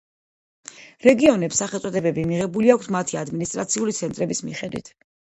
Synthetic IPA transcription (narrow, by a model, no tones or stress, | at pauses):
ɾɛɡiɔnɛpsːaχɛlˠt̪sʼɔd̪ɛbɛbimiʁɛbuliak̚ʷʰt̪ʰmat̪ʰiad̪minist̪ʼɾat̪sʰiulit̪sʰɛnt̪ʼɾɛbismḭχɛd̪wḭt̪ʰ